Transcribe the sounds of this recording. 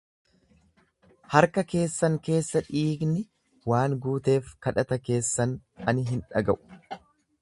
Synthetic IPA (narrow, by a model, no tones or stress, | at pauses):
hɐɾkɐke̞ːsːɐŋke̞ːsːɐᶑiːɡnɪ | waːŋɡuːt̪e̞ːfkɐᶑɐt̪ɐke̞ːsːɐnɐnɪɦɪnᶑɐɡɐʔʊ̥